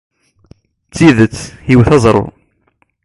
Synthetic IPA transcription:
t͡sːiðət͡sːhiwθɑzˤɾˤo̰

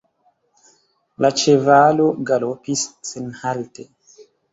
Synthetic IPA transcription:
lat͡ʃevaloɡalopisːenhalte

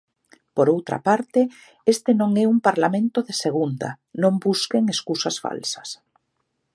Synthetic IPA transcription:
poɾowt̪ɾa̰paɾt̪ɪ | est̪enõŋɛuŋpaɾlamẽnt̪ʊðeseɣ̞und̪a̰ | nõmbuskeŋeskusasfa̰lsɐ̥s

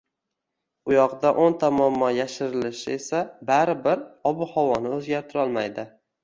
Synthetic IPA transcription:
ʊjɒqd̪aʔont̪ʰamɒmːɒjaʃɪɾɪlɪʃɪe̞sabaɾɪbɪɾɒbʊhawɒnɪɵzɡʲaɾt̪ʰɪɾɒlˠmajd̪ɪ

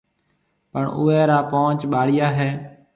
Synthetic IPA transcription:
pəɳṵːɛːɾaːpoːt͡ʃɓaːɽɪjaːɦɛː

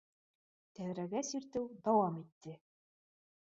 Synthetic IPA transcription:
t̪æwɾæɡæsiɾt̪ɘwd̪ɑwɑmit̪ːɘ

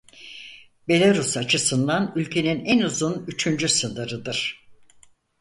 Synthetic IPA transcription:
be̞lʲaɾusat͡ʃʰɯsɯnd̪anylʲcʰe̞ninɛnuzunyt͡ʃʰynd͡ʒysɯndɯɾɯd̪ɯɾ̥

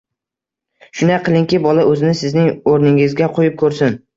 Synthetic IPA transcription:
ʃʊnaqʰɨlˠɪŋkʲɪbɒlaʔɵzɪnɪsɪznɪŋoɾnɪŋɪzɡʲaqʰojɪp̚kʰɵɾsɪn

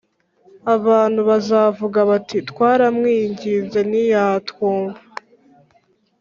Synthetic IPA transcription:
aβaːn̥huβazaːvuɡaβatʰitwaːɾamŋiːɲɟize̞nijatkoːɱva

